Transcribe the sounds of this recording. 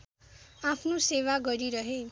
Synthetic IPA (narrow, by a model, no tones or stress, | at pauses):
apʰnosewaɡʌɾiɾʌɦe